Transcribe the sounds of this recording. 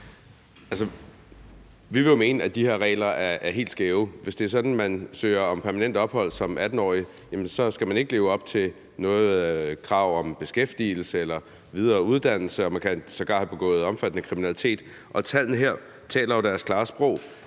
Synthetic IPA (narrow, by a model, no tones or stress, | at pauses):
ælsə | ʋiʋe̝jo̝me̝ːnəæd̥ihe̝ɐʁɛ̰ːlɐæɐæɐɦe̝̰ːld̥sɡ̥eːʊʋe̝sd̥e̝æɐsɒ̽d̥n̩mænsø̰ːɪɐɒ̽mpʰæɐmænen̰d̥ɒ̽b̥hɒ̽l̰sɒ̽mʔæd̥n̩ɒ̰ːi | jæmənsɒ̽sɡ̥æmæne̝ɡ̥əle̝ːʊɒ̽b̥̚t͡sʰe̝ | nɔ̽ːð̩ˠkʰʁɑ̈ʊ̰ɒ̽mb̥e̝sɡ̥efd̥ḭːl̩səelɐ | ʋið̞ˠɐːuð̞ˠd̥æn̰l̩səɒ̽mænkʰæsɒ̽ɡ̥ɑ̥̈ːhæb̥e̝ɡ̥ɔ̰̽ːð̩ˠɒ̽mfæd̥nəkʰʁiminælit͡sʰe̝̰ːd̥ | ʔɒ̽t͡sʰæl̰n̩əɦeɐ̰ | t͡sʰɛ̰ːlɐɒd̥æɐskʰlɑ̈ːsb̥ʁɔʊ̰